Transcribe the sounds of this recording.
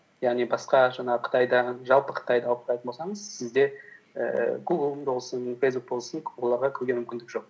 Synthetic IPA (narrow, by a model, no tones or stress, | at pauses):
jaʁnijbɑsqɑʒɑɴɑʁəqʰə̥t̪ɑjd̪ɑʒɑlˠpəqʰə̥t̪ɑjd̪ɑɑlˠəp̚q̪ʰɑjt̪ənbosɑɴəzsɪzd̪e̞ | ə̰ɡuɡlˠbolˠsənfejsbuk̚bo̞lˠsəŋwo̞lˠɑɾʁɑkʲʰʏɾɡʲemʏmkʲɪnd̪ɪkʒoq̚